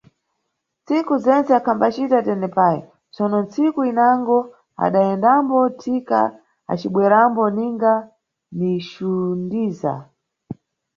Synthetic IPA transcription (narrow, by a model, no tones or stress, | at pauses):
nt͡sikuzɛnt͡sɛakʰambat͡ʃitatɛnɛpajɔ̰ | t͡sɔnɔnt͡sikuinaŋɡɔ | a̰ɗaɛndambɔtʰika̰ | a̰t͡ʃiɓwɛɾambɔniŋɡa | niʃundiːza̰